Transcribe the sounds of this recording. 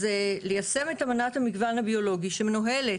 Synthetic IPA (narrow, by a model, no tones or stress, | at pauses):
zelejase̞me̞tamanathamiɡvanhabio̞lo̞ɡiʃemenoɦe̞le